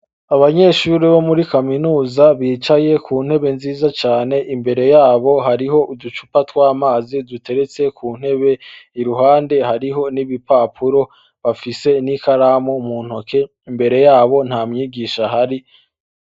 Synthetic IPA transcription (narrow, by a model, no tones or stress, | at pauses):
aβaɲe̞ːʃuɾiβo̞muɾikaminuːzaβiːt͡ʃaje̞kʰuːn̥he̞βe̞nziːzat͡ʃaːne̞ʔimbe̞ɾe̞jaːβo̞ɦaɾiɦo̞ʔudut͡ʃupatwaːmaːzidute̞ɾe̞t͡se̞kʰuːn̥he̞βe̞iɾuɦaːnde̞ɦaɾiɦo̞niβipapʰuɾo̞ | βafise̞nikaɾaːmomuːn̥hoke̞ | imbe̞ɾe̞jaːβo̞n̥haːmɲiːɡiʃaɦaɾi